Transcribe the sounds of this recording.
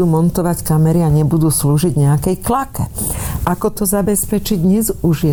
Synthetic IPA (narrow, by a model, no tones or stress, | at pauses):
uːmɔnt̪ɔʋackamɛɾiaɲɛbud̪uːsluːʒiɟɲɛakɛjklakɛʔakɔt̪ɔzabɛspɛt͡ʃiɟɲɛzuʒɛ